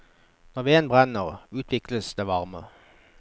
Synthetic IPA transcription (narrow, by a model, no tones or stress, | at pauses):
nɔʁʋɪeːnbʁɛnəʁʉːt̪ʰʋɪkləsd̪eːʋɑʁmə